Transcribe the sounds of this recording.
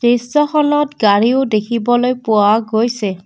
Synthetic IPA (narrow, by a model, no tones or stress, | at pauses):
tesɔxɔnɔtɡaɹiʊdekʰibɔlojpʊaɡojsɛ